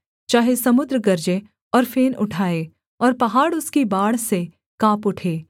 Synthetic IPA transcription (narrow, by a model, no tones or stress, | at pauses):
t͡ʃaːɦesɐmʊd̪ɾəɡɐɾd͡ʒe | ɔːɾfeːnʊʈʰaːeː | ɔːɾpɐɦaːɽʊskibaːɽse | kaːpʊʈʰeː